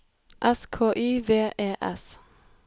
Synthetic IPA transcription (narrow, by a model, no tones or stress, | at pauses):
ʔɛskʰoːʔiːʋeːʔeːʔɛ̰s